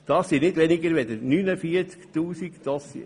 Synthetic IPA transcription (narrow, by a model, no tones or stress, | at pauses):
d̪̥ɑsːinɪdʋɛniɡəɾʋɛd̪ənynəfiət͡skt̪uːsikd̪̥ɑsḭ